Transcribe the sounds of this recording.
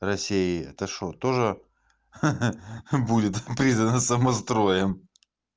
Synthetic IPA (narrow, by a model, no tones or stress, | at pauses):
rɐsʲeɪɛt̪əʂot̪oʐɨ | budʲɪt̪pɾʲiznənəsəmɐst̪ɾo̞jɪm